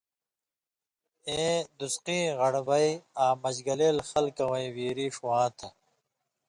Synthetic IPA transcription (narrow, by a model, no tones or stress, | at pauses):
eːd̪usqĩːʁɐɽbɐiaːmɐd͡ʑɡɐleːlxɐlkɐwɐiwiːɾiːʂuwãːt̪ʰɐ